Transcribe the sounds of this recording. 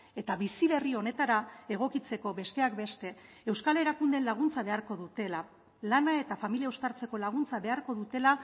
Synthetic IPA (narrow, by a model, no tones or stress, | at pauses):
e̞t̪aβisiβe̞rio̞ne̞t̪aɾae̞ɣ̞o̞kit͡se̞ko̞be̞st̪e̞akbe̞st̪e̞ | ewskale̞ɾakund̪e̞nlaɣ̞unt͡saβe̞aɾko̞ðut̪e̞la | lanae̞t̪afamiliaust̪aɾt͡se̞ko̞laɣ̞unt͡saβe̞aɾko̞ðut̪e̞la